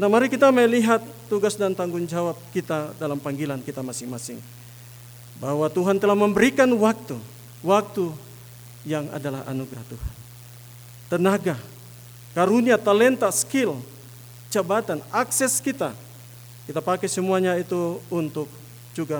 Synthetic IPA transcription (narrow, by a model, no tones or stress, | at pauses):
namaɾikit̪aməjliɦat̪ːuɡasdant̪aŋɡʊŋd͡ʒawap̚kit̪adalampaŋɡilankit̪amasɪŋmasɪŋ | bahwat̪uɦant̪əlahməmbəɾikanwak̚t̪u | wak̚t̪u | jaŋa̰dalaɦa̰nuɡɾaht̪uhan | t̪ənaɡa | kaɾuniat̪alɛnt̪askil | t͡ʃabat̪anaksɛskit̪a̰ | kit̪apakɛsəmuaɲait̪uunt̪ʊk̚ | d͡ʒuɡa